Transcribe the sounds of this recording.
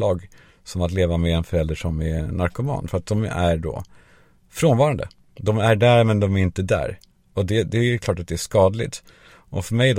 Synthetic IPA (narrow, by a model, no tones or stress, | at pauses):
ɑːɡ | sɔmat̪leːvamɛɛnfœɾɛld̪əʂɔmɛnaɾkʊmɑ̰ːnfœɾat̪̚d̪ɔmæɾɖo̰ː | fɾoːnvɑːɾand̪ə̰ | d̪ɔmæɖæɾmɛnd̪ɔmæɾɪnt̪əd̪æ̰ːɾ | ɔd̪ɛd̪ɛkʰlɑːʈat̪̚d̪ɛæʂkɑːd̪lɪ̰t̪ | ʔɔ̰fœɾmɛjd̪